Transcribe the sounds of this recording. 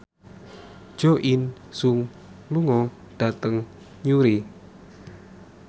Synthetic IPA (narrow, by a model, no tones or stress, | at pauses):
ʒ̥oʔin | suŋ | luŋɔ | ɖ̥a̤t̪əŋ | ɲuɾi